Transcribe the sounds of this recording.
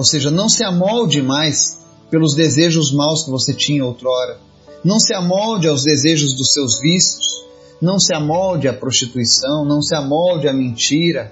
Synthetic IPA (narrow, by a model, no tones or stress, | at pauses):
owseʒɐnɐ̃w̃sɪamɔwd͡ʒɪmajs | pelʊzd̪ezeʒʊzmawskɪvoset͡ʃĩɲɐowt̪ɾɔɾɐ | nɐ̃w̃sɪamɔwd͡ʒɪawzd̪ezeʒʊzd̪ʊsewzvisʊ̥s | nɐ̃w̃sɪamɔwd͡ʒɪɐpɾost͡ʃit̪uisɐ̃w̃nɐ̃w̃sɪamɔwd͡ʒɪɐmẽnt͡ʃiɾɐ